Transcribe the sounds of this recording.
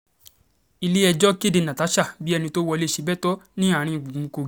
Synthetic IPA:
i˧le˦ɛ˧d͡ʒɔ˦ke˦˨de˧nã˨ta˨˦ʃa˦˨bi˦ɛ˧nĩ˧to˦wɔ˧le˦ʃi˧bɛ˦tɔ˦nĩ˦a˦˨ɾ̃ĩ˧˨ɡ͡bu˨ũ˨˧ko˧

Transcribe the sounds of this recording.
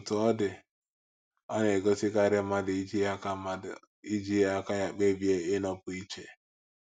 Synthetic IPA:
tʊ˨ɔ˦dɪ˨ | a˦ne˨ɡo˦sɪ˦ka˦ɾɪ˦ma˦dɪ˨i˦d͡ʒi˦a˦ka˦˨ | i˦d͡ʒi˦a˦ka˦ja˨k͡pe˦bje˦ɪ˦nɔ˦pʊ˨i˦t͡ʃe˨

